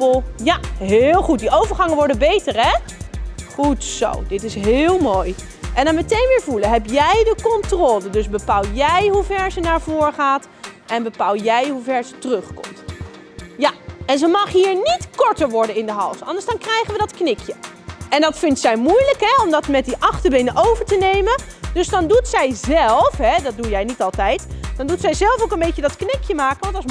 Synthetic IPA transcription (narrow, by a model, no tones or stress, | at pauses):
jaɦɪːlˠχut̚diowvəɹχɑŋənʋɔɹdəbejtərɛ | χutso̰wdɪtɪsɦɪːlˠmoːj | ʔɛndɑnmətejnʋɪːɹvuləɦɛpjɛjdəkɔntroːlədɵzbəpalˠjɛjɦuvɛɹzənaːɹvʊːɹχaːt | ʔɛnbəpaːlˠjɛjɦuvɛɹzətərɵχkɔ̰mt | jaɛnzəmɑχɦiːɹnitkɔɹtəɹʋɔɹdənɪndəɦɑlˠsɑ̰ndəɹsdɑnkrɛjχənʋədɑtknɪkjə | ɛndɑtfɪntsɛjmujləkɦɛɔmdɑtmɛt̚diʔɑχtəɹbejnəʔowvəɹtənejməndøsdɑndutsɛjzɛlˠfɦɛdɑt̚dujɛjnitɑlˠtɛjtd̥ɑndutsɛjzɛlˠfowkənbejcədɑtknɪkjəmaːkənʋɑntɑs